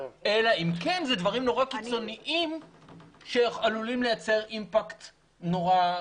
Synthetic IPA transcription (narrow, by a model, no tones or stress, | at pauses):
e̞laimkenzɛd̪vaʁimno̞ʁakit͡so̞niʔim | ʃeχalulimlejat͡se̞ʁimpakt̪ | no̞ʁa